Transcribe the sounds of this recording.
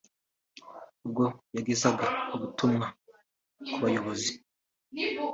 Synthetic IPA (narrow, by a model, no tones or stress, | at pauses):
ubɡo̞jaɡezaɡauβutumŋa | kuβajo̞βo̞zi